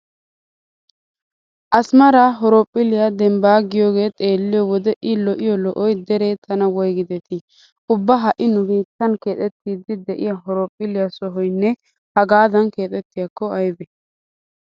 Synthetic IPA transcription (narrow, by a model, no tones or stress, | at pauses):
ʔɐsmɐɾaɦɔɾopʼːɪlɪjad̪ɛmbaːɡɪjoːɡe̞ːt̪ʼe̞ːlːɪjɔwɔd̪ɛʔɪlɔʔɪjɔlɔʔɔjd̪ɛɾeːt̪ʰɐnɐwɔjɡɪd̪ɛt̪ɪ | ʊbːɐɦɐʔɪnʊbiːt̪ːɐnke̞ːt̪ʼɛt̪ːiːd̪ɪd̪ɛʔɪ̰jaɦɔɾoːpʼːɪlɪjasɔɦɔjnːɛ | hɐɡaːd̪ɐnke̞ːt̪ʼɛt̪ːɪjakːɔɐjbɛ